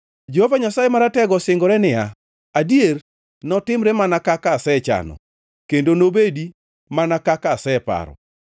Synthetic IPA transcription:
d͡ʒohovaɲasajemaɾatɛɡɔsɪŋɡɔɾɛnɪa | adier | nɔtɪmɾɛmanakakasɛt͡ʃa̰nɔ̰ | kendonobedi | manakakasɛpa̰ɾɔ̰

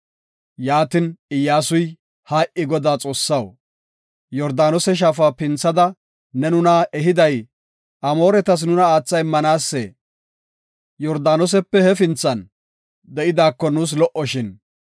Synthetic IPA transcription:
jaːt̪ɪnɪjːaːsʊj | haːʔɪɡɔd̪aːt͡sʼo̞ːsːɐw | jɔɾd̪aːnɔsɛʃ̬aːfaːpɪnt͡sːɐd̪ɐ | nɛnʊnɐɛɦɪd̪ɐj | ʔɐmo̞ːɾɛt̪ɐs̬nʊnɐaːt͡sːɐjmːɐnaːsːeː | jɔɾd̪aːnɔs̬ɛpːɛhɛfɪnt͡sːɐn | d̪ɛʔɪd̪aːkːɔnuːs̬lɔʔɔʃɪn

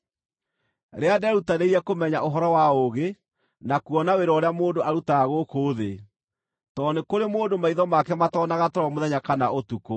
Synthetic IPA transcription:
ɾeadɛɾutaneiɛkomɛɲaʔoɦɔɾɔwaoɣe | nakuwɔnaweɾɔɾeamoːndoʔaɾutaːɣokoːðe | tɔnekoɾemoːndomaiðɔmakɛmatɔːnaɣatɔɾɔmoðɛɲakanaotuko

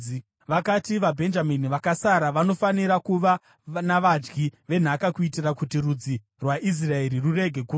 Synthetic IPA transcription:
ʋakatiʋabʱe̞nd͡ʒaminiʋakasaɾaʋano̞faniɾakuʋa | naʋad͡ʒɡiʋe̞n̤akakuitirakutirud͡zi | rwaʔis̬rae̞ɾirure̞ɡʱe̞ku

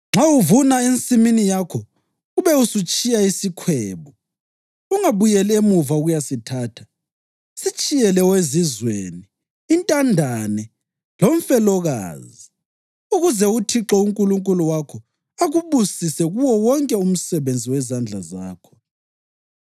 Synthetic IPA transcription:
ŋ͡ǁawuvunaent͡sʼiminijakʰɔ | ɣuβɛusut͡ʃʼijaisikʰwɛːβɔ | uŋaβujɛlɛemuvauɣujasitʰaːtʰḁ | sit͡ʃʼijɛlɛwezizwḛniː | ntʼandʱanɛ | loɱfɛlɔɣa̰ːzi | uɣuzɛutʰiǁɔuŋkʼuluŋkʼuluwakʰɔ | aɣuβusisɛɣuwɔwɔŋkʼɛum̩sɛβend͡zʱiwɛzand͡ɮʱaza̰ːkʰɔ̥

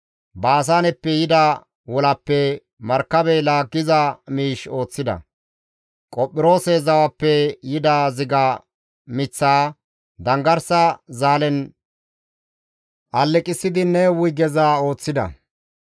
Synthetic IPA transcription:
baːs̬aːnɛpːɛjɪd̪a | wɔlɐpːɛ | mɐɾkːɐbɛlaːɡːɪzɐmiːʃo̞ːt͡sːɪd̪ɐ̰ | kʼɔpʼːɪɾo̞ːsɛzɐwɐpːɛjɪd̪aːzɪɡa | mɪt͡sːaː | d̪ɐŋɡɐɾsɐzaːlɛn | ʔɐlːɛkʼɪsːɪd̪ɪnɛwʊjɡɛzaːo̞ːt͡sːɪd̪ɐ̰

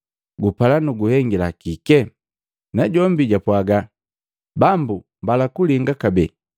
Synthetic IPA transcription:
ɡupalanuɡuhɛŋɡilakikɛ | naɟɔmbiɟapwaɡa | bambu | mbalakuliŋɡakabɛ

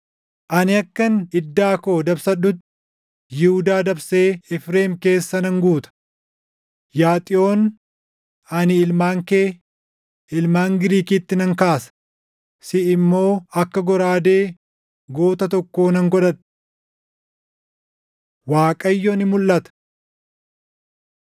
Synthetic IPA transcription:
ʔɐnɪɐkːɐnɪd̪ːaːko̞ːd̪ɐbsɐᶑːʊt̪ːɪ | jɪhʊd̪aːd̪ɐbse̞ːɛfɾeːmke̞ːsːɐnɐŋɡuːt̪ɐ̥ | jaːt̪ʼɪo̞ːn | ɐnɪɪlmaːŋkeː | ɪlmaːŋɡɪɾiːkiːt̪ːɪnɐŋkaːsɐ̥ | sɪɪmːo̞ːɐkːɐɡɔɾaːd̪e̞ː | ɡo̞ːt̪ɐt̪ɔkːo̞ːnɐŋɡɔᶑɐᶑ | waːkʼɐjːɔnɪmʊlːɐt̪ɐ̥

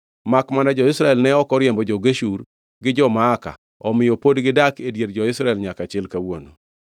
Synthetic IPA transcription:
makmanad͡ʒɔɪsɾaɛlnɛɔkɔɾjɛmbɔd͡ʒɔɡeʃuɾ | ɡɪd͡ʒɔmaːka̰ | ɔmɪjɔpodɡɪdakedjeɾd͡ʒɔɪsɾaɛlɲakat͡ʃɪlkawono̰

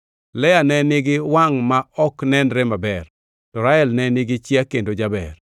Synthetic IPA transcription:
lɛjanɛnɪɡɪwaŋmaɔknɛnɾɛmabɛr | tɔɾaɛlnɛnɪɡɪt͡ʃjakendod͡ʒabɛr

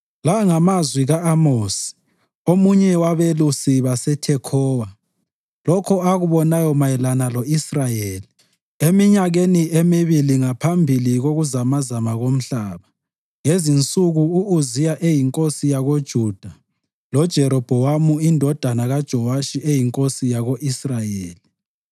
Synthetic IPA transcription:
laŋamazwiɣaamoːsi̥ | omuɲɛwaβelusiβasɛtʰɛkʰɔːwa | lɔkʰɔaɣuβɔnajɔmajɛlanalɔisrajeːli | emiɲaɣeniʔemiβiliŋapʰambʱiliɣoɣuzamazamaɣom̩ɬaːβa | ŋezint͡sʼuɣuuːzijaʔejiŋkʼosijaɣod̥ʒ̥ʱud̥ʱa | lɔd̥ʒ̥ʱɛɾɔb̥ʱɔwamuindʱɔd̥ʱanaɣad̥ʒ̥ʱɔwaʃiʔejiŋkʼosijaɣoʔisrajeːli

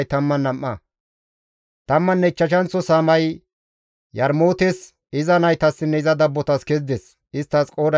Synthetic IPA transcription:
jt̪ɐmːɐnːɐmʔːɐ | t̪ɐmːɐnːɛɪt͡ʃːɐʃɐnt͡sːɔsaːmɐj | jɐɾmoːt̪es | ɪzɐnɐjt̪ɐsːɪnːɛɪzɐd̪ɐbːɔt̪ɐskɛzd̪ɛs | ɪst̪ːɐskʼo̞ːd̪ɐ

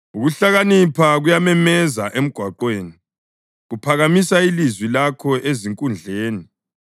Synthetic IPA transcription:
uɣuɬaɣanipʰaɣujamɛmɛzaʔem̩ɡ̥ʱwaǃweːni | ɣupʰaɣamisailizwilakʰɔʔeziŋkʼund͡ɮʱeːni

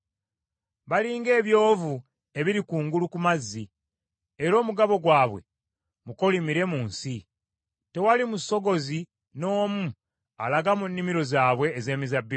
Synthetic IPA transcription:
βaliːŋɡe̞ːβjo̞ːvu | e̞βiɾikuːŋɡulukumazːi | eɾo̞ːmuɡaβo̞ɡwaːβwe̞̰ | muko̞limiɾe̞muːnsi | te̞walimuso̞ɡo̞zi | no̞ːmu | a̰laɡamunːimiɾo̞zaːβwe̞ːze̞ːmizabːi

